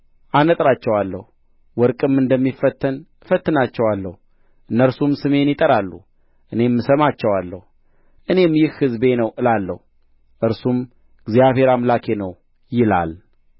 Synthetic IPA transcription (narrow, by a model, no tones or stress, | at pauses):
ʔanət̪ʼɾat͡ʃːɛwalːəhu | wɔɾkʼɨmɨnd̪əmːifət̪ːən | fət̪ːɨnat͡ʃːɛwalːəhu | ʔɨnːəɾsumsɨme̞njɪt̪ʼəɾalːṵ | ʔɨne̞mːɨsəmat͡ʃːɛwalːəhu | ʔɨne̞mjɪhhɨzbe̞nəwʔɨlalːə̰hu | ʔɨɾsum | ɡzjaβhe̞ɾamlakʰe̞nəw | jɪla̰l